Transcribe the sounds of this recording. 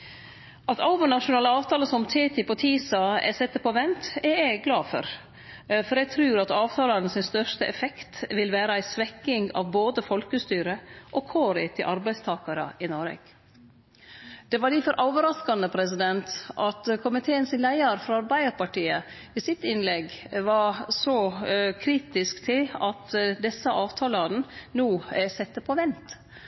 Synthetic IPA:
ʔɑt̪ɑlʋənɑʂʊnɑːləɑːʋt̪ʰɑːləsɔmt̪ʰeːt̪ʰɪpɔt̪ʰiːsɑɛ̰sɛt̪ːəpɔʋɛnt̪ɛɛɡɡlɑːfɔ̰ɾ | fɔɾɛɡt̪ʰɾʉːɾɑt̪ɑːʋt̪ʰɑːlɑɾnəsɪnst̪œʂt̪əʔɛfɛkt̪ʋɪlʋæːɾəæɪsʋɛkːɪŋɑ̰ʋboːd̪əfɔlkəst̪yːɾəʔɔkʰoːɾɪt̪ʰɪlʔɑɾbæɪst̪ʰɑːkɑɾə̰ɪnɔɾḛːɡ̥ | d̪̥ɛʋɑɖɪfɔɾʔoːʋəɾɑskɑnəpʰɾɛsɪd̪ɛnt̪ʔɑt̪kʰʊmɪt̪ʰeːənsɪnlæɪɑɾfɾɑɑɾbæɪəɾpɑʈiːə | ʋɪsɪt̪ɪnlɛɡʋɑɾsɔkʰɾiːt̪ɪskt̪ʰɪlɑt̪d̪ɛsːəʔɑːʋt̪ʰɑːlɑɾn̩nuːsɛt̪ːəpʰɔʋɛnt̪

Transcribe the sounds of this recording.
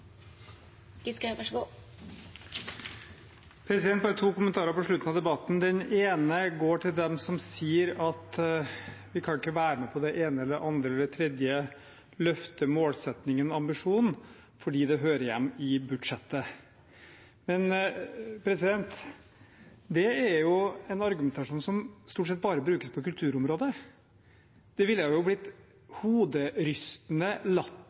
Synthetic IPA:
ɡɪskʋæʂɡuː | pʰɾɛsɪd̪ɛnt̪bɑɾət̪ʰuːkʊmənt̪ʰɑːɾəɾpɔʂɭʉt̪ːnɑd̪ɛbɑt̪ːn̩d̪ɛneːnəɡoːʈʰɪld̪ɛmsɔmsiːəɾɑt̪ | ʋɪkʰɑnɪkːəʋæːɾəmɛpʰɔd̪ɛʔeːnəɛlːʔɑnd̪ɾəɛlɛt̪ʰɾɛd̪jə | lœft̪əmoːlsɛt̪nɪŋənɔɑmbɪʂuːn̩ | fɔɖiːd̪ɛɦøːɾəjɛ̰mːɪbʉd̪ʂɛt̪ːə | mɛn | pʰɾɛsɪd̪ɛnt̪ | d̪ɛæɾjʊɛnɑɾɡʉmɛnt̪ɑʂuːnsɔmst̪uːʈsɛt̪̚ːbɑːɾəbɾʉːkəspʰɔkʉlt̪ʰʉːɾʊmɾoːd̪ə | d̪̥ɛʋɪlːjæjʊblɪt̪ | huːd̪əɾʏst̪nəlɑt̪ː

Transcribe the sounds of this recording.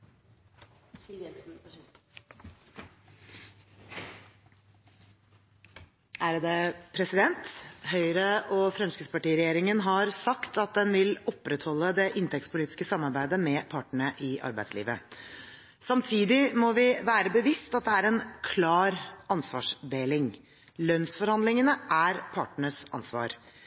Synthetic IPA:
ɛsn̩ | æɾd̪ɛpʰɾɛsɪd̪ɛnt̪hœʏɾəʔɔfɾɑnskəspɑʈiːɾɛjeːɾɪŋənɦɑɾsɑkt̪ɑt̪̚d̪ɛnʋɪlɔpːɾɛt̪hɔlːəd̪ɛʔɪnt̪ʰɛktspʊliːt̪ɪ̥skəsɑmːɑɾbæɪd̪əmɛpʰɑːʈəɳəʔɪʔɑ̰ɾbæɪslḭːʋə̰ | sɑmt̪ʰiːd̪ɪmɔʋɪʋæːɾəbəʋɪst̪ɑt̪̚d̪ɛæɾɛnkʰlɑːɾɑnsʋɑ̰ːʂd̪eːlɪŋ | lœnsfɔɾhɑnd̪lɪŋənəʔæɾpʰɑːʈəɳəsɑ̰nsʋɑ̰ːɾ

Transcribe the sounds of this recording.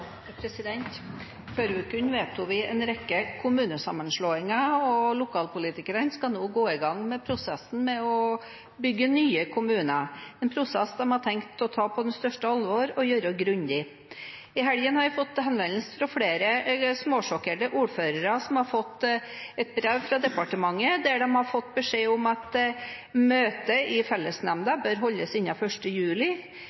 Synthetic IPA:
pʰɾɛsɪd̪ɛnt̪ | føːɾʋɪkʉnːʋeːt̪ʊʋɪɛnɾɛkːəkʰʊmʉːnəsɑmənʂɭoːɪŋəɔlʊkʰɑːlpʊliːt̪ɪkəɾənskɑnuːɡoːɪɡɑŋmɛpʰɾʊsɛsn̩mɛɔ | bʏɡːənyːəkʰʊmʉːnəɛnpʰɾʊsɛsːɔmhɑʈ̪ʰɛŋkt̪ɔt̪ʰɑːpʰɔd̪ɛnst̪œʂʈəɑlʋɔɾɔjøːɾəɡɾʉɲd̪ɪ | ɪɦæljənhɑɾʋɪfɔt̪ːhɛnʋɛnlsəfɾɔfɽeːɾəsmoːʂɔkəɖəʔuːɾføːɾəɾəsɔmhɑɾfɔt̪ːɛt̪̚bɾɛʋfɾɑd̪ɛpɑʈəmɑŋːəd̪æɖɛmhɑɾfɔt̪ːbəʂeːʊmɑt̪ | møːt̪əɪfɛlːəsnɛmd̪ɑbœɾɦɔlːəsɪnːɑfœʂʈəjʉːlɪ

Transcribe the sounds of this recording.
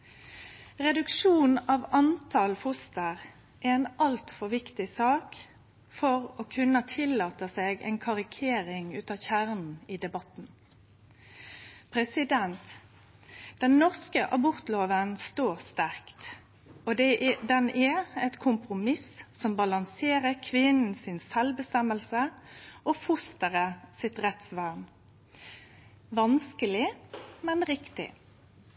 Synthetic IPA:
ʁɛd̪ʉkʂuːnɑʋɑnt̪ʰɑlfʊst̪əʁ | ʔɛɛnɑlt̪fɔʁʋɪkt̪ɪsɑːk | fɔʁoːkʰʉnːət̪ʰɪlːɑːt̪əseːɡɛ̰nkʰɑʁɪkʰeːɾɪŋʉːt̪ɑːçæʁnn̩iːd̪ɛbɑt̪n̩ | pʰʁɛsɪd̪ɛnt̪ | d̪̥ɛnːɔʁskəʔɑbɔʁt̪loːʋənst̪oːʁst̪æʁkt̪ | ɔd̪ɛd̪ɛnæɛt̪kʰʊmpʁʊmɪssɔmbɑlɑŋseːʁəkʰʋɪnn̩sɪnsɛlbəst̪ɛməlsəʔɔfʊst̪əʁəsɪt̪ʁɛt̪sʋɑʁn | ʋɑnskəlɪmɛnʁɪkt̪ɪ̰

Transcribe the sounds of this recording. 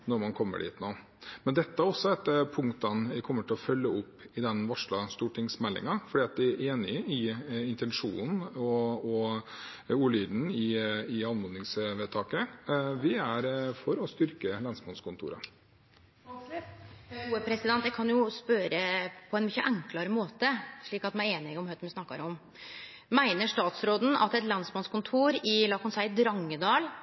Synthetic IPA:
nɔɾmɑnkʰɔmːə̰ɖḭːt̪noː | mɛnd̪ɛt̪ːəæɾɔsːɔɛt̪pʰʊŋkt̪ɑnʋɪkʰɔmːəʈʰɪlɔfœlːəʊpːɪd̪ɛnʋɑʂɭɑst̪uːʈɪŋsmɛlːɪ̰ŋɑfɔɖiːɑt̪̚d̪ɪæʔeːnɪɪɪnt̪ɛnʂṵːnn̩ɔɔ | uːɭyːd̪n̩ɪɪɑnmʋʊnnɪŋsʋeːt̪ʰɑːkəʋɪæɾfɔɾɔst̪ʏɾkəlɑnsmɑnskʰʊnt̪ʰṵːɾə̰ | uːəpʰɾɛsɪd̪ɛnt̪jækʰɑnjʊspøːɾəpʰɔɛnmʏçːəʔæŋklɑɾəmoːt̪əʂɭiːkɑt̪mæeːnɪɔmhœt̪nʋɪsnɑkːɑ̰ɾɔm | mæɪnəʂt̪ɑːt̪sɾoːd̪n̩ɑ̰t̪ɛt̪lɑnsmɑnskʊnt̪ʰuːɾɪlɑːkhɔnsæɪd̪ɾɑŋːəd̪ɑːl

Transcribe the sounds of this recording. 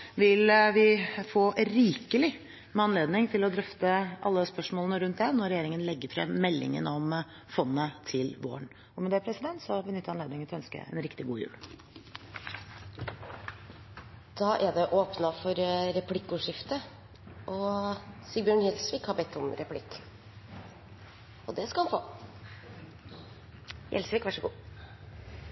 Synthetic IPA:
ʋɪlʋɪfoːɾiːkəlɪ | mɛɑnleːd̪nɪŋt̪ʰɪlɔd̪ɾœft̪əɑlːəspœʂmoːlənəɾʉnt̪̚d̪ɛnɔɾɛjeːɾɪŋənlɛɡːəɾfɾɛ̰mːɛlːɪ̰ŋə̰nɔm | fɔnːət̪ʰɪlʋo̰ːəɳ | ɔmɛd̪ɛæɾpʰɾɛsɪd̪ɛnt̪sɔbənʏt̪ːɑneːd̪ɪŋəœnskə̰ɛ̰nɾɪkt̪ɪɡuːjʉ̰ːl | d̪̥ɑːʔæd̪ɛʔoːpnɑfɔɾɾɛpʰlɪkːʉːʂɪft̪ə | ʔɔsɪlbjøːɳjɛlsʋiːkhɑɾbɛt̪ːɔmɾɛpʰlɪ̰kː | ɔd̪ɛskɑɑnfo̰ː | jʔɛ̰lsʋiːkʋɑʂəɡṵː

